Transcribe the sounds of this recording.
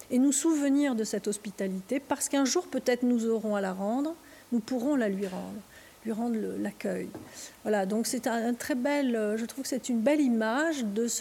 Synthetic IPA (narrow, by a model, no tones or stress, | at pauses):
enusuvəniʁd̪əsɛt̪ɔspit̪alit̪epaʁsə̥kɛ̃ʒuʁpøt̪ɛt̪χnuzɔʁɔ̃alaʁɑ̃d̪ʁ | nupuʁɔ̃lalɥiʁɑ̰̃d̪ʁ | lɥiʁɑ̃d̪ʁləlakʲœjvwalad̪ɔ̃ksɛt̪ɛ̃t̪χɛbɛløʒət̪χuvkə̥sɛt̪ynbɛlimaʒd̪əs